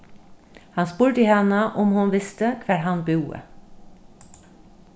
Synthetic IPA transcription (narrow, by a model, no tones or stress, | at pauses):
hɑnspuːɹʈəiːhɛnəʔʊmhʊnʋɪst̪əkʰʋæːɾhɑnbʉːə̰